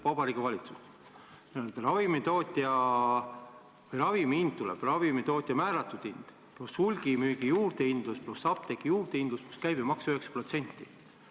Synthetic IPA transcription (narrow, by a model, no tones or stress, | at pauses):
pɑbɑɾiɡ̥evɑlʲit̪su̥st̪ | næelt̪eɾɑvimit̪o̞ːt̪ʲjɑ | vɯjɾɑvimiind̪̥̚t̪ulɛ̰b̥rɑvimit̪o̞ːt̪ʲˑjɑmæːɾɑt̪ːˑud̪̥ind̪̥ | plushulʲɡ̥imyːɡ̥ijuːɾd̪eind̪̥lusplusɑp̚t̪ekːijuːrd̪eind̪lusplu̥skæjb̥imɑksøheksɑ̥pro̞t̪se̞nʲt̪ːi